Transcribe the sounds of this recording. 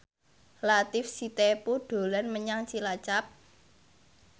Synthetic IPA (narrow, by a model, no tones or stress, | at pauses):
lat̪ɪfsit̪epuɖ̪̥o̤lanməɲaŋsilat͡ʃap̚